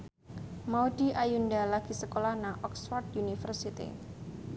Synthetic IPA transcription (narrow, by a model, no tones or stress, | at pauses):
maudiʔajundalaɡ̥i̤səkolahnaʔɔksfart̪unifərsit̪ḭ